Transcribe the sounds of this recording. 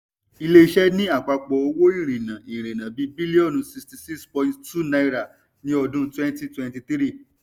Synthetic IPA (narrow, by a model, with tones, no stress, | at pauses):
i˧le˧i˧ʃɛ˦nĩ˦a˦˨k͡pa˧k͡pɔ˧o˧wo˦i˦˨ɾ̃ĩ˨nã˨i˨ɾ̃ĩ˨nã˨bi˨˦bi˦li˦ɔ˦˨nũ˧˨si˧sti˨si˦kspɔ̃˧ĩ˧ttu˦na˧jɾa˨ | nĩ˦ɔ˧dũ˦twɛ̃˦nti˦twɛ̃˧nti˧t̪ɾi˦˨